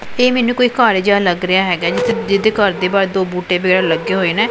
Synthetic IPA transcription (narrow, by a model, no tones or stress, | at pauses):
eːmɛːnũːkoːiːkaːɾeːd͡ʒaːləɡɾɪjaːɦɛːɡaːd͡ʒɪt̪ʰːed͡ʒɪd̪eːkəɾd̪eːbaːɾed̪oːbuːʈeːʋəɡɛːɾaləɡːeːɦoːeːnɛ̃ː